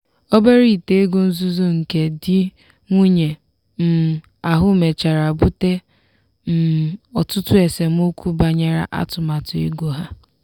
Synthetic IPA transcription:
o˦be˦ɾi˦˨te˨e˦ɡo˦n̩˦zu˦zo˦ŋ̩˨ke˨dɪ˦ | ŋʷu˦ɲe˨ | m̩˨ | a˨ɦʊ˦me˨t͡ʃa˨ɾa˨bʊ˦te˦ | m̩˨ɔ˨tʊ˦tʊ˦e˨se˨m˦o˦kʷu˦ba˨ɲa˦ɾa̰˦ʔa̰˦tʊ˨ma˨tʊ˨ḭ˦ɡo˨ɦa˦

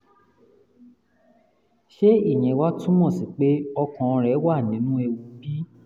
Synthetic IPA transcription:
ʃe˦i˦˨j̃ɛ̃˨˦wa˦tũ˦mɔ̃˦˨si˨k͡pe˦ɔ˧kɔ̃˨ɔ̃˧ɾɛ˨˦wa˦˨nĩ˨˦nũ˦ɛ˧wu˧˦bi˦

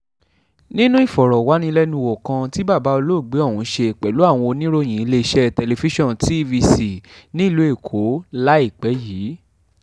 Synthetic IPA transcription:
nĩ˦nũ˦i˦˨fɔ˨ɾɔ˨wa˨˦nĩ˧˦lɛ˦nũ˧wo˨kã˧ti˦ba˦˨ba˨˦o˧lo˦˨ɡ͡be˨˦ɔ˦˨wũ˨˦ʃe˧˨k͡pɛ˨lu˨˦a˦˨w̃ɔ̃˧o˧nĩ˦ɾo˦˨j̃ĩ˨i˧le˧i˧ʃɛ˦tɛ˧le˧fi˦ʃɔ̃˦˨n˨ti˨˦vi˧si˨nĩ˦i˦˨lu˨˦e˦˨kʰo˨˦la˦i˦˨k͡pɛ˨˦jiː˨˦

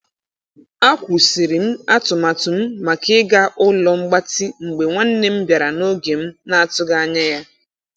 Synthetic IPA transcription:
a˦kʷu˨si˨ɾi˨m̩˦a˦tʊ˨ma˨tʊ˨m̩˦ma˨kɪ˦ɡa˦ʔʊ˦lɔ˦ŋ͡m̩˦ɡ͡ba˦tɪ˦ŋ͡m̩˨ɡ͡be˨ŋʷa˦n̩˦ne˦m̩˦bja˨ɾa˨no˦ɡe˨m̩˦na˦a˦˨tʊ˦ɡa˦a˦ɲa˦ja˦

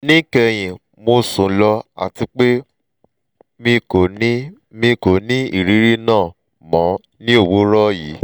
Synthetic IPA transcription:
nĩ˦kɛ˧j̃ĩ˨ | mo˧sũ˨˦lɔ˧a̰˨ti˧k͡pe˦ | mĩ˧ko˨ni˦ | mĩ˧ko˨nĩ˦ḭ˦˨ɾi˨˦ɾi˦nãː˦˨ | mɔ̃˨˦ | nĩ˦o˦˨wo˦ɾɔ˦ji˨˦

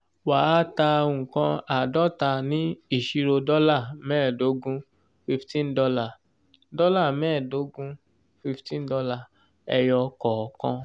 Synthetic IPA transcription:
wa˨˦ta˧˨kã˧a˨dɔ˦ta˧nĩ˦i˦˨ʃi˧ɾo˧dɔ˦la˦˨mɛ̃ː˦˨do˨˦ɡũ˦ | fi˧ftĩ˦n̩˦dɔ˧la˦˨ | dɔ˦la˦˨mɛ̃˦˨do˨˦ɡũ˦ | fi˧ftĩ˦n˦dɔ˧la˦˨ | ɛ˧jɔ˧kɔ˨kã̰˧

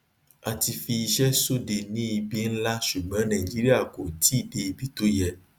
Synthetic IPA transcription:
a˨t̪i˨fi˨ʃɛ˦so˦ɖe˨nĩ˦˨bi˦n̩˦la˦ʃu˨mɛ̃˦nã˨i˨d͡ʒi˦ɾi˦a˨ko˨t̪i˦ɖe˨bi˦t̪o˦jɛ˨

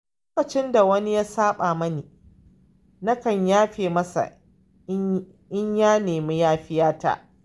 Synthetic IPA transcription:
lloː˦kɐ˨t͡ʃɪ˦nda˨wɐ˦ni˦jaː˦saː˦ɓaː˨mɐ˦niː˨ | na˦kɐ˨ɲjaː˦ɸeː˨mɐ˦sa̰˨˦ | ʔɪ˦ɲjaː˦neː˨mi˦jaː˦ɸɪ˦jaː˦ta̰ː˦ʔ

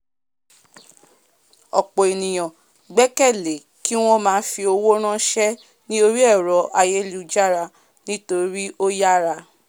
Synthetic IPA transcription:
ɔ˨k͡po˨e˨nĩ˨j̃ã˨ | ɡ͡bɛ˦kɛ˦˨le˨ | ki˦w̃ɔ̃˦mãː˨˦fi˧o˧wo˦ɾ̃ã˦ʃɛ˦ | nĩ˦o˧ɾi˦ɛ˦˨ɾɔ˨ʔa˧je˦lu˦˧˦d͡ʒa˦ɾa˧ | nĩ˦to˧ɾi˦ʔo˦ja˦ɾa˧

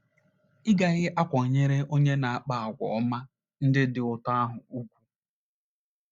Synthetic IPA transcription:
ɪ˦ɡa˨ɣɪ˦ʔa˦kʷɔ˨ɲe˦ɾe˦o˦ɲe˦na˨a˨k͡pa˨a˨ɡʷɔ̰˨ɔ˦ma˦ | n̩˦dɪ˦dɪ˨ʊ˨ta˦a˦ɦʊ˨u˦kʷu̥˦

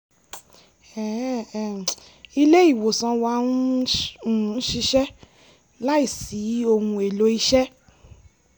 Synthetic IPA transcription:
ɛ˨ | i˧le˦i˦˨wo˨sã˧˦wa˧˦nũ˦˨˦ | ʃi˧ʃɛ˦ | la˦i˦˨si˨˦o˧hũ˧e˨lo˧˦i˧ʃɛ˦

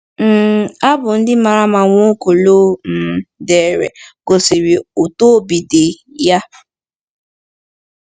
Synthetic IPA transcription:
m̩˦˨a˦bʊ˨n̩˦dɪ˦ma˨ɾa˦ma˨ŋʷo˦ko˨loː˦m̩˨˦de˨ɾḛ˨ko˨si˨ɾi˨o˨to˦bi˨de˨ | ja˦

